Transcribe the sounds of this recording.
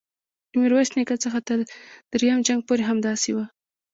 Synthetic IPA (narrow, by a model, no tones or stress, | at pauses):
ɪmiɾwasnekat͡səxat̪əɾd̪̥ɾjamd͡ʒaŋɡ̚poɾeɦamd̪ɑsewa